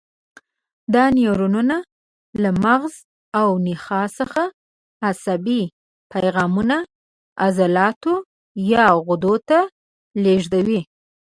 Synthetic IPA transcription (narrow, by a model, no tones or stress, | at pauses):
d̪ɑnjoɾununa | lamaɣz | awnixɑsəxa | asabi | pajɣɑmuna | azalɑt̪o | jɑɣʊd̪ot̪a | leʒd̪awi